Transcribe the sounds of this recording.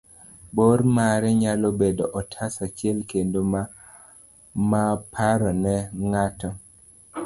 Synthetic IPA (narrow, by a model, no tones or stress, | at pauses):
boɾmaɾɛɲalɔbedɔʔɔtʰasat͡ʃɪɛlkendom | mapʰaɾɔnɛŋatɔ